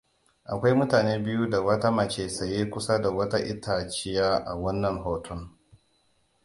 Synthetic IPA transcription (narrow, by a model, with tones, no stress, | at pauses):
ʔa˨kʷa˦jmʊ˦taː˨neː˦bɪ˦ju˦da˨wɐ˦ta˦mɐ˨t͡ʃeː˦sɐ˨jeː˦kʷʊ˦sa˦da˨wɐ˦ta˦ʔɪ˦tʰaː˨t͡ʃɪ˦jaː˦ʔa̰˨wɐ˦nːɐ˨ŋɦoː˨tʰʊ˦ŋ